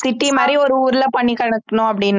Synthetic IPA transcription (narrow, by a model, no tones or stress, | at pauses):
sɪʈːimaːd̪ɾiɔɾɯuːɾɪlɐpɐɳːikɐɳɐt̪ːɐnʊ̃ɐp̬ːɐɽɪnː